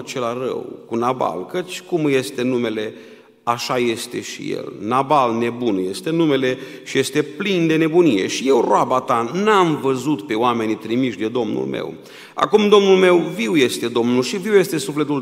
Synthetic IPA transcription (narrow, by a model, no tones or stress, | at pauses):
t͡ʃe̞larə̰wkunaba̰lkət͡ʃʲkumɨje̞st̪e̞nume̞le̞ | aʃaje̞st̪e̞̰ʃḭjḛlnabalne̞bunje̞st̪e̞nume̞le̞ʃije̞st̪e̞plind̪e̞ne̞bunije̞̰ʃije̞wroabat̪anamvəzut̪pe̞oame̞nit̪ɾimiʃd̪ed̪o̞mnṵlmḛw | a̰kumd̪o̞mnulme̞wviwje̞st̪e̞d̪o̞mnulʃiviwje̞st̪e̞sufle̞t̪ul